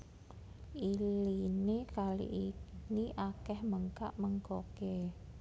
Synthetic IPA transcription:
ilinekalḭʔiniʔakɛhməŋka̰ʔməŋkoke

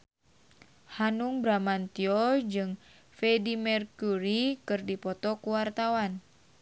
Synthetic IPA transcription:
hanuŋbɾamant̪iɔd͡ʒɨŋ | fɛdimɛrkuɾikɨrdipɔt̪ɔkuwart̪awan

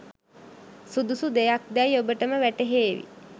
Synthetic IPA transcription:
sud̪usud̪ejak̚d̪æjiobəʈəməʋæʈeɦeːʋḭ

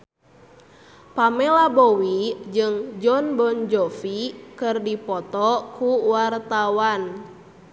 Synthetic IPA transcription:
pamɛlabowid͡ʒɨŋd͡ʒɔnbɔnd͡ʒɔfikɨrdipɔt̪ɔkuwart̪awan

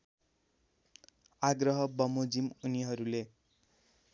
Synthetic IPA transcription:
aɡrʌɦʌbʌmod͡zimuniɦʌɾule

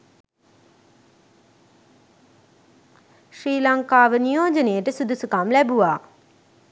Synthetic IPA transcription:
ʃɾiːlaŋkaːʋənijoːd͡ʒənejəʈəsud̪ʱusukamlɛbuʋaː

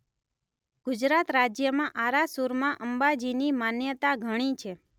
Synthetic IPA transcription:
ɡ̥ʊd͡ʒɾat̪ɾad͡ʒjəmãʔaɾasuɾmãʔəmbad͡ʒinimanjət̪aɡʱəɽ̃it͡ʃʰe

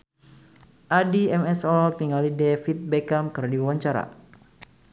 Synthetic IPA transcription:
ʔadiɛmɛsɔlkniŋalidɛfit̪̚bɛkamkɨrdiwwaɲt͡ʃaɾa̰

